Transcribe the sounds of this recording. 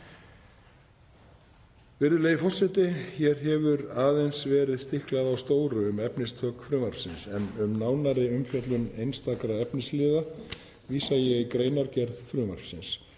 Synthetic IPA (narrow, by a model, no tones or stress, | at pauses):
vɪɾðʏleːjɪfɔr̥sɛt̪ɪçjɛɾ̥ɦɛvʏɾaːðejnsvɛːɾɪðst̪ɪhklaðawst̪oːwɾʏʏmɛpnɪst̪ʰœːkfɾʏːmaɾ̥fsɪnsɛnʏmnaːwnaɾɪʏmfjɛt̪lʏnejnst̪akɾaɛpnɪslɪːða | viːsajɛɣkɾeːjnaɾcɛɾðfɾʏːma̰ɾ̥fsɪns